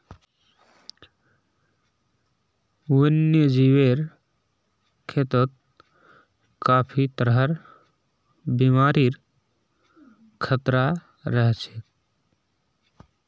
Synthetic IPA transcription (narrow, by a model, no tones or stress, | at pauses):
unjəd͡ʒiweɾ | kʰet̪ət̪̚ | kapʰit̪əɾɦəɾ | bimaɾiɾ | kʰət̪ɾa | ɾəɦt͡ʃʰe